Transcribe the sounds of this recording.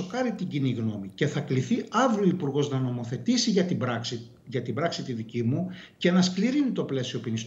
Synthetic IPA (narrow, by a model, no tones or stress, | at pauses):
okɐɾit̪iɲɟiniɣno̞mice̞θɐkliθiɐvɾioipuɾɣo̞znɐno̞mo̞θe̞t̪isiʝɐt̪ibɾ | ʝɐt̪ibɾɐksit̪iðicimuce̞nɐskliɾinit̪o̞ple̞sio̞pinis